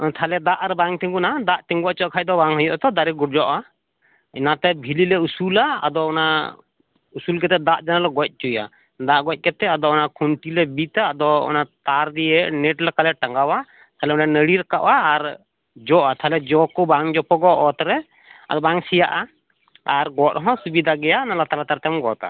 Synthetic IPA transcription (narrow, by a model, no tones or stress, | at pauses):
t̪ʰalɛd̪aʔɾɛbaŋt̪iŋɡunad̪aʔt̪iŋɡuwaʔt͡ʃɔʔkʰac̚d̪ɔbaŋɦɔjɔʔt̪ɔd̪aɾɛɡuʈ̚d͡ʒɔʔa | inat̪ɛbʱililɛusulaa̰d̪ɔɔna | usulkɛt̪ɛd̪aʔd͡ʒanalɔɡɔc̚ˀt͡ʃuja̰ | d̪aʔɡɔc̚ˀkɛt̪ɛad̪ɔɔnakʰunʈilɛbit̪aːd̪ɔɔ̰nat̪aɾd̪iɛʔnɛʈlakalɛʈaŋɡawa | t̪ʰalɛmɔlanəɽiɾakaʔaːɾ | d͡ʒɔʔat̪ʰalɛd͡ʒɔkɔbaŋd͡ʒɔpɔɡɔʔɔt̪ɾɛ | a̰d̪ɔbaŋsijaʔa | aɾɡɔt̪̚ɦɔ̃subid̪ʱaɡɛjanalat̪alat̪aɾt̪ɛmɡɔt̪a̰